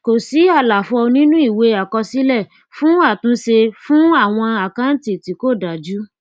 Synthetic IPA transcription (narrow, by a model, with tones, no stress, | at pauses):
ko˨si˨˦a˦˨la˨fɔ˧nĩ˦nũ˦i˦˨we˨˦a˨kɔ˧si˨˦lɛ˦˨ | fũ˦a˦˨tũ˨˦se˧fũ˦a˦˨w̃ɔ̃˧a˨kã˦n̩˦ti˨ti˨˦ko˦˨da˨d͡ʒu˦